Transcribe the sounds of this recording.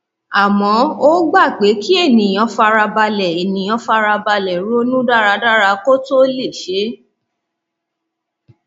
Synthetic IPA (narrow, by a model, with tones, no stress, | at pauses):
a˨mɔ̃˨˧˦o˦ɡ͡ba˦˨k͡pe˨˦ki˦e˦˨nĩ˨jɔ̃˧fa˧ɾa˧ba˧lɛ˨e˨nĩ˨˦ɔ̃˧fa˧ɾa˧ba˧lɛ˨ɾu˦o˦nũ˦da˦˨ɾa˧da˦˨ɾa˧ko˦to˦le˦˨ʃe˨˦